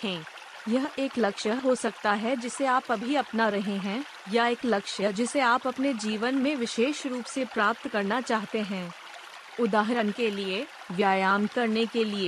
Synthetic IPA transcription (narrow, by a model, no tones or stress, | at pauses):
ɛ̃ː | jɐɦeːklɐkʃəɦɦosɐk̚t̪aɦɛd͡ʒɪseaːpɐbʱiɐpnaɾɐɦeɦɛ̃ː | jaeːklɐkʃəd͡ʒɪseaːpɐpned͡ʒiːʋənmẽʋɪʃeːʃɾuːpsepɾaːp̚t̪kɐɾnat͡ʃaːɦt̪eɦɛ̃ː | ʊd̪aːɦɪɾənkelie | ʋjaːjaːmkɐɾnekelieː